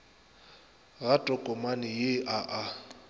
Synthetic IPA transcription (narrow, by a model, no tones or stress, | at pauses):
ɣatʼɔkʼɔmanɪjɪʔaʔa